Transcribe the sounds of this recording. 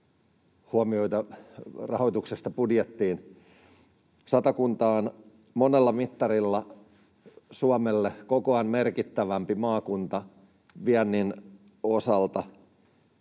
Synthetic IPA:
huomioit̪ɑrɑ̰hojt̪uksest̪ɑpudjet̪ːiːn | sɑt̪ɑkunt̪ɑːn | monelːɑmit̪ːɑɾilːɑ | suɑmelːekokoɑnmerkit̪ːæʋæmpimɑːkunt̪ɑ | ʋiænːin | osɑlt̪ɑ

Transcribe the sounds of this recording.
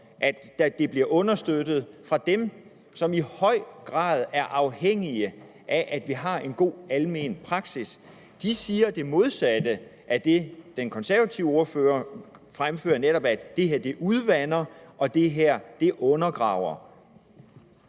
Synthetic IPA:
ʔæd̥d̥e̝b̥liɐʔɔ̽nɐsd̥ød̥ð̞̩ˠfʁɑ̈d̥em | sɒ̽mihɒ̽ɪ̰ɡ̥ʁɑ̰̈ːð̞ˠæɐʔɑ̈ʊheŋ̰iə | ʔæʔæd̥ʋiɦɑ̈e̝nɡ̥o̝̰ːælme̝̰ːnpʰʁɑ̈ɡ̥sis | d̥isiːɐd̥e̝mo̝ð̞ˠsæd̥ə | ʔæd̥e̝d̥enkʰɒ̽nsæɐʋæt͡sʰiʊəo̝ɐføɐfʁamfø̰ːɐneɾ̥ɒ̽b̥æ̥e̝heɐ̰d̥e̝ʔuð̞ˠʋænɐʔɒ̽d̥e̝ɦeɐ̰d̥e̝ʔɔ̽nɐɡ̥ʁɑ̰̈ʊ̰ɐ

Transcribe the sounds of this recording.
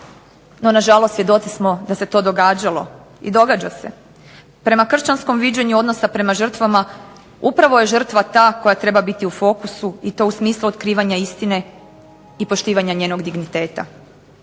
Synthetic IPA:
no̞naʒalˠost̪sʋjed̪o̞t̪sismo̞d̪ase̞t̪o̞d̪o̞ɡaːd͡ʑalˠo̞̰ | ḭd̪o̞ɡad͡ʑase̞̰ | pɾe̞makr̩ʃt͡ɕansko̞mʋid͡ʑeɲuo̞d̪no̞sapɾe̞maʒr̩t̪ʋama | upɾaʋo̞je̞ʒr̩t̪ʋat̪aːko̞jat̪ɾe̞babit̪iufo̞kusuit̪o̞usmiːslˠuot̪kɾiːʋaɲaist̪ine̞ | ipo̞ʃt̪iːʋaɲaɲe̞ːnoɡd̪iɡnit̪e̞ːt̪a̰

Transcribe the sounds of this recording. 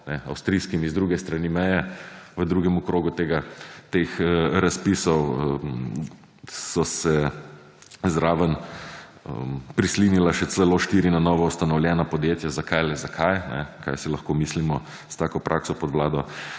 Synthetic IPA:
nɛa̰wst̪ɾiskimizd̪ɾuːɡɛst̪ɾanimɛjɛʋəd̪ɾuːɡɛmɔkɾoːɡut̪eːɡat̪exɾaspiːsɔw | sɔsɛ | zɾaːʋən | ə̰pɾislinilaʃɛt͡s̪lɛloʃt̪iɾinanɔːʋɔust̪anɔwljɛnapɔd̪jet̪jazakʰajlɛzakʰajnɛ̰ka̰jsilɐxkomislimɔ | st̪aːkɔpɾʔaksɔpɔd̪ʋlaːd̪ɔ

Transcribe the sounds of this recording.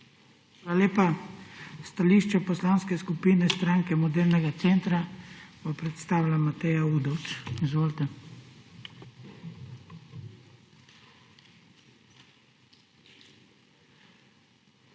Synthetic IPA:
alaleːpa | st̪aliʃt͡ʃɛpɔslanskɛskupiːnɛst̪ɾaŋkɛmɔd̪eːɾnɛɡat̪sent̪ɾabɔpɾɛt̪st̪aːʋlamat̪ɛjauːd̪ɔwt͡ʃizʋoːlt̪ɛ

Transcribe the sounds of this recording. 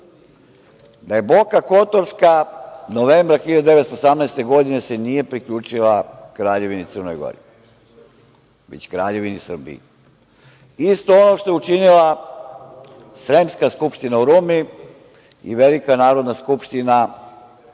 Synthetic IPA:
d̪aje̞bokako̞t̪oɾskanoʋe̞ːmbɾaxilʎad̪od̪eet̪st̪oosamnɛːst̪e̞ɡo̞d̪inesenije̞pɾikʎuːt͡ʃilˠakɾaːʎe̞ʋinit̪sər̩nojɡo̰ɾḭ | ʋḛt͡ɕkɾaːʎe̞ʋinisr̩bḭji | ist̪o̞onoʃt̪o̞jeut͡ʃinilˠa | sɾemskaskupʃt̪inauɾumi | ḭʋe̞likanaːɾod̪naskupʃt̪ina

